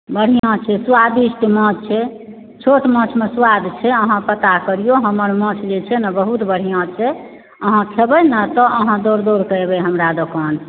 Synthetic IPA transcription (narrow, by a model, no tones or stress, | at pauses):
bəɽ̤ijãt͡ʃʰɛswad̪isʈmɔ̃t͡ʃʰɛ | t͡ʃʰoʈmə̃t͡ʃʰmeswad̪t͡ʃʰɛəɦãpət̪akəɾijoɦəməɾmə̃t͡ʃʰd͡ʒet͡ʃʰɛnəbəɦut̪bəɽ̤ijãt͡ʃʰɛ | əɦãkʰebɛnət̪ɔʔəɦãd̪oɾd̪oɾkəebɛɦəmɾad̪okən